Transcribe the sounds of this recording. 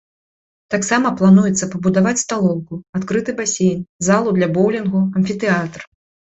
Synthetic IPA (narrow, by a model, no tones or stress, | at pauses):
t̪aksamɐplˠanujɛt̪sːɐpɐbud̪avat͡sʲst̪alˠɔw̪kuat̪kɾɨt̪ɨbasʲejnʲzalˠud̪lʲɐbɔwlʲɛnɣuɐnfʲit̪ɛat̪r